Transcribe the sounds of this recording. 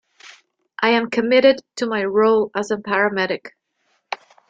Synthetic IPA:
ʔaɪɨ̃mkʰɨmɪɾɨd̚tʰɨmaɪɹoʊlˠəzɨ̃npʰæɹɨmɛɾɨk

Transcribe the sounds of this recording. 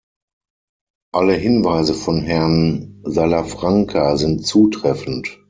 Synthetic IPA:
ʔaləɦɪnvaɪzəfɔnɦɛɐnzaːlafʁ̥aŋkʰazɪntt͡suːtʁ̥ɛfn̩t

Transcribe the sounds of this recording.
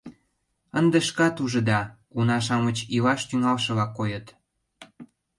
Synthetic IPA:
ənd̪ĕʃkɑt̪uʒə̆d̪ɑ | unɑʃ̬ɑmət͡ɕilɑʃt̪yŋɑlʃɤ̆βɑkːojət̪

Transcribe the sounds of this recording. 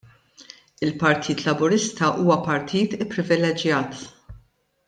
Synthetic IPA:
ɪlpɐɾt̪ʰiːt̪lɐbʊɾɪst̪ɐʔuːwɐpɐɾt̪ʰiːt̪ɪpːɾɪvɪlːɛd͡ʒjɐːt̪

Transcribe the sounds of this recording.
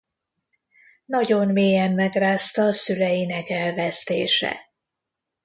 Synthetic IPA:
nɒɟo̞nmeːjɛmːɛɡraːst̪ɒːsylɛjinɛkɛlvɛst̪ḛːʃɛ̰

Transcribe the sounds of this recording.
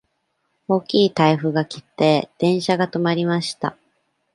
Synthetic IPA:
o̞ːkʲiːt̪aiɸɯ̟ɡakʲi̥t̪ːe̞d̪̥ẽ̞ɰ̃ɕaɡat̪o̞maɾʲimaɕi̥t̪a̰

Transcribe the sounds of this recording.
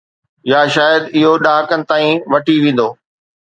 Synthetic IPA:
jaːʃaːjəd̪ɪɦoɗaːɦkənɪ̆t̪aːĩʋɐʈʰiʋẽːn̆d̪oː

